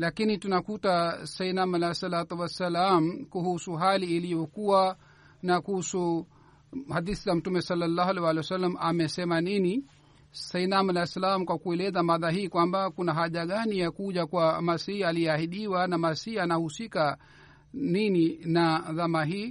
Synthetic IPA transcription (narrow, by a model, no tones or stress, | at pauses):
lakinitunakutasainamalajsalat̪uwasalamkuhusuɦaliːlijɔkuwa | nakuhusu | hadiθizam̩tumɛsalːalːaːhalɛwalɛwasalːamamɛsɛmanini | sainamalasalamkwakuɛlɛzamaðaɦiːkwambakunaɦaʄaɠanijakuʄakwamasiːaliɛahiɗiwanamasiːanahusika | nininaðamaɦiː